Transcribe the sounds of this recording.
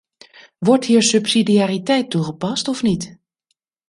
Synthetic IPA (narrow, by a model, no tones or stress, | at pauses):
ʋɔɹthiːəɹsypsidiaːɾitɛjtːuɣəpɑstɔfnit